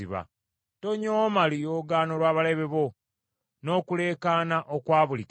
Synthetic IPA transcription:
iβa̰ | to̞ɲoːmalijoːɡaːno̞lwaːβale̞βe̞βo̞ | no̞ːkule̞ːkaːnaʔokwaːβulik

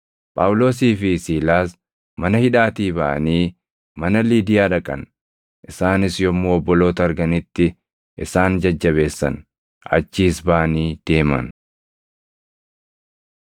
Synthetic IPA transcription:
pʼa̰ːwʊlo̞ːsiːfɪsiːlaːs | mɐnɐhɪᶑaːt̪iːbɐʔɐ̰niː | mɐnɐliːd̪ɪjaːᶑɐkʼɐ̰n | ʔɪsaːnɪsjɔmːoːɔbːɔlo̞ːt̪ɐɐɾɡɐnɪt̪ːɪ | ʔɪsaːnd͡ʒɐd͡ʒːɐβe̞ːsːɐ̰n | ʔɐ̰t͡ʃːiːsbaʔɐniːd̪̥e̞ːmɐ̰n

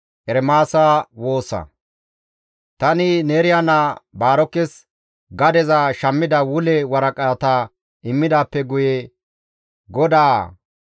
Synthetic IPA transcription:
ʔɛɾɛmaːsawo̞ːsɐ̰ | t̪ɐnɪneːɾɪjanaːbaːɾɔkːɛs | ɡɐd̪ɛzaʃɐmːɪd̪ɐwʊlɛwɐɾɐkʼat̪ɐ | ʔɪmːɪd̪aːpːɛɡʊjɛ | ɡɔd̪aː

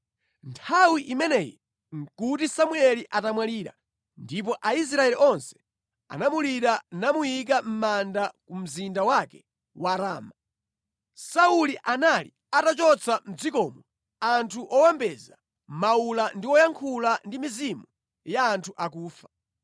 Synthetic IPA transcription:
ntʰawiʔimɛnɛji | ŋ̩kutisamuɛliʔatamwaliːɾa̰ | ndip̬ɔʔais̬ɾaɛliʔɔnsɛ̥ | a̰namuliɾanamujik̬am̩mandakum̩zindawakɛ | waɾaːma | sauliʔanali | atat͡ʃɔt͡sʰam̩d͡zikɔːmɔ | antʰuʔɔwambɛza | maulandiwɔjaŋkʰulandimizimu | jaːntʰuʔak̬uːfḁ

